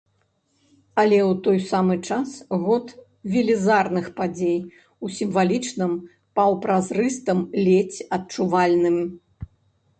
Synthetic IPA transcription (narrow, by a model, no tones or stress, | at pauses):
ɐlʲɛwt̪ɔjsamɨt͡ʂasɣɔt̪ | vʲilʲizarnɨxpad͡zʲej | usʲimvalʲit͡ʂnɨm | pɐwpɾazrɨst̪ɐmlʲɛt͡sʲɐt̪̚t͡ʂuvalʲnɨmʲ